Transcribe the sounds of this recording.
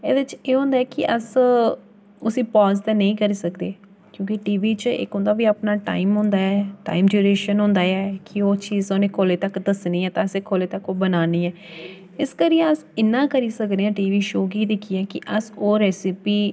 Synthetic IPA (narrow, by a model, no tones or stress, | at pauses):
ḛːd̪ɪt͡ʃeːɦõːnd̪aːɛːkɪʔəs | ʊsĩːpɔːzt̪ɛ̃ːnəĩːkəɾiːsəkd̪eː | kjõːkiʈiːʋiːt͡ʃɪ̰kɦʊ̃ːnd̪aːʋiːaːpnaːʈa̰ːiːmɦʊ̃ːnd̪aːɛːʈa̰ːiːmd͡ʒuːɾeːʃənɦʊ̃ːnd̪aːɛːkɪoːt͡ʃiːzoːnẽːkʰoːleːt̪əkd̪əsniːɛːt̪ãːseːkʰoːleːt̪əkoːbənaːniːɛː | ɪskəɾiːẽəsɪnːãːkəɾiːsəkd̪eːãːʈiːʋiːʃoːɡiːd̪ɪkʰiːɛːkɪʔəsoːɾɛːsɪpiː